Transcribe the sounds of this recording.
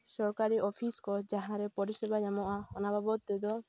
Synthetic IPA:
sɔɾkaɾiʔɔpʰiskɔd͡ʒaɦãɾɛpɔɾiʃɛbaɲamɔʔahɔnababɔt̪ːɛd̪ɔ

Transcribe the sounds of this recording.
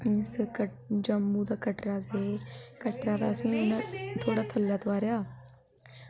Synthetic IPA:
ɪskəd͡ʒəmːuːd̪aːkəʈɾaːɡeːkəʈɾaːd̪aːəsĩːenãːt̪ʰoːɽaːt̪ʰəlːaːt̪oʋaːɾjaː

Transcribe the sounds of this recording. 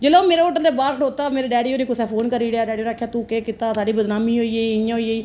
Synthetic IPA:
d͡ʒelõːmeːɾeːoːʈəɾd̪eːbaːɾkʰʈoːt̪aːmeːɾeːɖɛːɖijoːniːkʊsɛːpʰoːnkəɾiːɽeaːɖɛːɖijoːɾaːkʰːjaːt̪ũːkeːkɪt̪aːsaːɖiːbəd̪naːmĩːɦoːiːeːɪjãːɦoieiː

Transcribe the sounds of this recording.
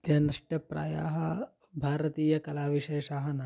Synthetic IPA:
t̪jɐnɐʂʈɐpɾa̰ːjaːɦɐ | bʱaːɾɐt̪iːjɐkɐlaːʋiʃeːʃaːɦɐnɐ

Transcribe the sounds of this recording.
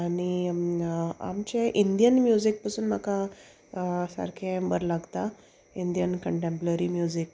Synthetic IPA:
aɽ̃i | a̰mt͡ɕeʔind̪ijənmjud͡zik̚pəsuːnmaka | sə̰ɾkʰẽmbəɾlaɡt̪a | ind̪ijənkəɳʈẽmpləɾimjud͡ʑik̚

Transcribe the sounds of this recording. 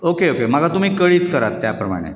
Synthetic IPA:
okeokem̤aɡat̪um̤iːkəɭiːt͡skəɾat̪ːjapɾəma̰ɽ̃ḛ

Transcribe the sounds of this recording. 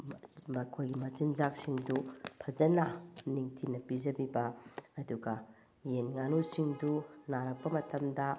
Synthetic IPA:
mɐkʰojɡimɐt͡ʃinzak̚siŋdupʰɐd͡ʒɐnɐniŋtʰinɐpizɐbibɐːduɡɐ | jenŋanusiŋdunaɾɐk̚pɐmɐtɐmdɐ

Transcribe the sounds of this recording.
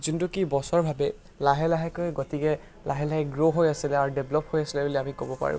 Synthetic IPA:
zintukibɔsɔɹbʱabɛ | laɦɛlaɦɛkojɡɔtikɛ | lʔaɦɛlaɦɛɡɹoɦojasilɛaɹdeblɔp̚hojasilɛbuliamikobɔpa̰ɹʊ̰̃

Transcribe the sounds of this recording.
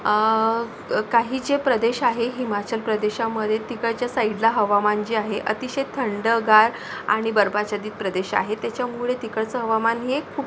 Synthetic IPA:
kaɦiːd͡ʑepɾəd̪eɕaɦeɦimat͡ɕəlpɾəd̪eɕaməd̪ʱjet̪ikəɭt͡ɕjasaiɖlaɦəʋamand͡ʑiːaɦeʔət̪iɕet̪ʰːəɳɖəɡaɾ | a̰ɽ̃ibəɾbat͡ɕad̪iːt̪̚pɾəd̪eɕa̰ɦet̪jat͡ɕjamuɭet̪ikəɭt͡səɦəʋamanɦekʰuːp

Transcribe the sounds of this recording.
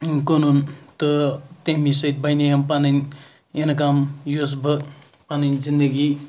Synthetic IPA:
konunt̪ɔt̪emisʌit̪̚bajnejampanɐjn | enɐk̬amjosbə | panɐjnzind̪əɡi

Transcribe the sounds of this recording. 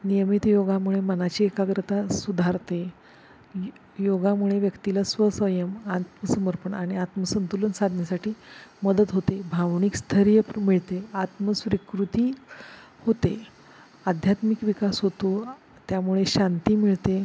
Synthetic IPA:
nijəmit̪joɡamuɭemənat͡ɕiːekaɡɾət̪asud̪ʱaɾt̪e | joɡamuɭeʋjəkt̪ilasʋəsʋəjəmat̪məsəməɾpəɳaɽ̃iat̪məsənt̪ulənsad̪ʱnjasaʈʰiːməd̪ət̪ɦot̪ebʱaʋnikst̪ʰəɾijəpmiɭt̪eat̪məsʋɾikɾut̪iː | hot̪e | ad̪ʱjat̪mikʋikasɦot̪o | t̪jamuɭeɕant̪iːmiɭt̪e

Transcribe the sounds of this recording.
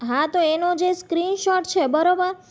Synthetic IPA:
ɦãt̪oenod͡ʒeskɾinʃɔʈt͡ʃʰebəɾobəɾ

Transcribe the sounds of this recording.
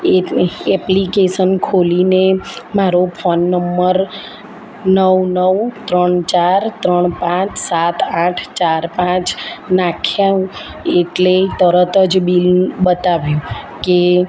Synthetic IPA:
eɛplikeʃənkʰolinemaɾopʰonːəmːəɾ | nəwnəwt̪ɾəɳt͡ʃaɾt̪ɾəɳpãt͡ʃʰsat̪ãʈʰt͡ʃaɾpãt͡ʃnakʰja | eʈlet̪əɾət̪əd͡ʒbilbət̪aʋjũ | ke

